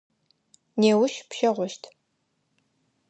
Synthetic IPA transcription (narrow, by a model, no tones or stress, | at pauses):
neːwʊʃpʃɐʁʷɔʃtʰ